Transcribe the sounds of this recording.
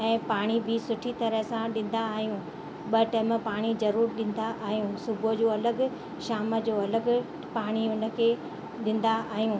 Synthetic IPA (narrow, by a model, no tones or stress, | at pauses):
ɛ̃ːpaːɽ̃ibʱɪsʊʈʰit̪ɐɾəɦsãɗɪ̃n̆d̪aːɦijũ | ɓɐʈɛ̃ːməpaːɽ̃izɐɾuːɾɗɪ̃n̆d̪aʔaːɦijũːsʊbʱod͡ʑoːɐləɡ | ʃaːmə̆d͡ʑoːɐləɡ̆ | paːɽ̃iɦʊnə̆kʰeː | ɗɪ̃n̆d̪aaːɦijũː